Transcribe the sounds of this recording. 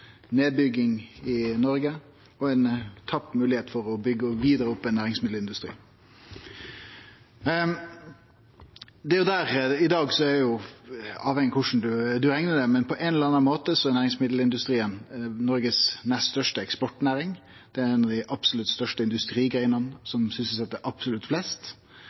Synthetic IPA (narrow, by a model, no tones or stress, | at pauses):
neːd̪̚bʏɡɪŋɪnɔɾɡə | ɔɛnt̪ʰɑpːmʉːlɪheːt̪fɔɾɔbʏɡːəɔʋiːd̪əɾəʊpːɛnːæːɾɪŋsmɪd̪l̩ɪnd̪ʉst̪ɾḭː | d̪ɛjʊd̪æːɾɪd̪ɑːɡsɔæɾɛjʊ | ɑːʋhɛŋːəkʰʊʂn̩d̪ʉd̪ʉɾɛŋnəd̪ɛmɛnpʰɔʔɛnɛləɾɑnɑnmoːt̪əsɔɛnæːɾɪŋsmɪd̪l̩ɪnd̪ʉst̪ɾiːənnɔɾɡəsnɛsst̪œʂʈəɛkspɔʈnæːɾɪŋ | d̪̥ɛɛnɑd̪æɪʔɑpsʊlʉt̪st̪œʂʈəɪnd̪ʉst̪ɾiːɡɾæɪənənsɔmsʏnsəsɛt̪ːəʔɑpsʊlʉt̪flɛst̪